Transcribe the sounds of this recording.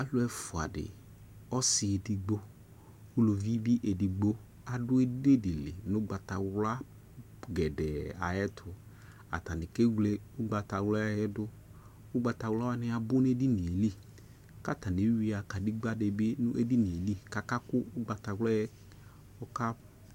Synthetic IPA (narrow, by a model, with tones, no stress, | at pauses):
a˦lʊ˦ɛ˦fʊ˨a̰˨dɪ̰˨ | ɔ˦sɪ˨e˨di˨ɡ͡bo˦ | u˦lo˨vi˦bi˦ʔe˨di˨ɡ͡bo˦ | a˨dʊ˦e˦de˦dɪ˨lɪ̰˨nʊ˦ɡ͡ba˨ta˨wla˦ | ɡɛ˨dɛ˨a̰˨jɛ˦tʰʊ˨ | a̰˨ta˨nɪ˨ke˦ɡle˦ʊ˦ɡ͡ba˨ta˨wla˦jɛ˦dʊ˦ | ʊ˦ɡ͡ba˨ta˨wlɔ˦a˦nɪ˦a˨bʊ˦n˦e˦di˦ne˨li˦˨ | ka˦ta˨ne˨˦i˦a˨ka˨di˦ɡ͡ba˦dɪ˨bɪ˦nʊ˦ʔe˦di˦ne˨li˦ka˨ka˦kʊ˦ʊ˦ɡ͡ba˨ta˨wlɔ˦ɛ˦ | ɔ˦ka˦